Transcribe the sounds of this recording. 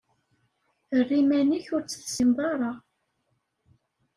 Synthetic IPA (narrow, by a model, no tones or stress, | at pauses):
θərːimæniçʊɾt͡sːə̥θsimðˤɑɾˤɑ